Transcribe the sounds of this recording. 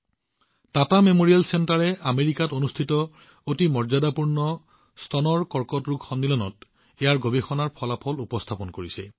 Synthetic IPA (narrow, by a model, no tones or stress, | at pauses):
tatamemoɹialsentaɹɛameɹikatonustʰitɔ | otimɔɹzadapuɹnɔ | stʰɔnɔɹkɔɹkɔtɹuɡxɔnːilɔnɔ̰t | ejaɹɡobexɔnaɹpʰɔlapʰɔlupɔstʰapɔnkoɹisɛ̰